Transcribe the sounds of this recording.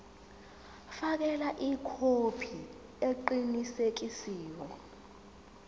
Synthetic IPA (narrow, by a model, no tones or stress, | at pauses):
fak̬ɛlaʔikʰopʰi | eǃinisek̬isiːwɔ